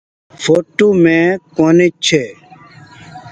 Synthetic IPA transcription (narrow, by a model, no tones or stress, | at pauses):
foːʈoːmẽːkoːnet͡ʃʰeː